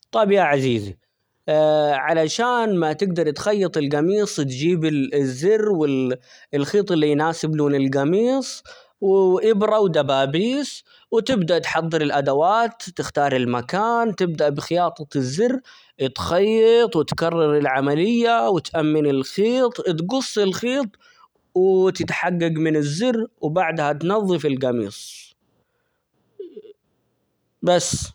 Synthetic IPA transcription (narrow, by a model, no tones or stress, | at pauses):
t̪ˤɑbijʔaʕaziːzḭ | ʕalaʃaːnmat̪ɪɡd̪ɑɾˤt̪xɑjːɑt̪ˤɪlɡɑmiːsˤt̪d͡ʒiːbɪzːɪrːwɪ | ɪlxiːt̪ˤɪlːijnaːsɪbluːnɪlɡɑmiːsˤ | wʔɪbɾɑwd̪abaːbiːs | wt̪ɪbd̪aʔt̪ħɑd̪ˤːɨɾɪlʔad̪awaːt̪ːɪxt̪ɑːɾˤɪlmakaːnt̪ɪb̚d̪aʔbɪxɪjɑːt̪ˤɑt̪ɪzːɪrː | ɪt̪xɑjːɑt̪ˤwɪt̪kɑrˤːɑɾɪlʕamalɪjːawɪt̪ʔamːɪnɪlxiːt̪ˤt̪̬ɡʊsˤːɪlxiːt̪ˤ | wɪt̪ɪt̪ħaɡːaɡmɪnɪzːɪrwbaʕd̪hat̪nɑðˤːɨfɪlɡamḭːsˤ | basː